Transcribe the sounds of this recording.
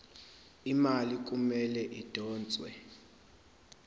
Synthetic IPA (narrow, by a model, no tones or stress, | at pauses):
imalik̬ʼumɛlɛʔid̥ʱɔːnt͡sʼwɛ̰